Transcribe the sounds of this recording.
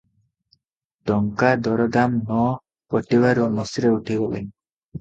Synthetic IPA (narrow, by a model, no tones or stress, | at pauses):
ɖɔŋkad̪ɔɾɔdamnɔ | pɔʈiwaɾumɔsiɾeuʈʰibɔlḛɲ